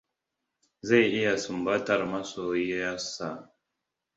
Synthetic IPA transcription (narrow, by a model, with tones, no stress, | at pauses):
za˦˨jʔɪ˦ja˨su˨mba˦ta˨ɾma˦soː˨je˦ja˦sa˨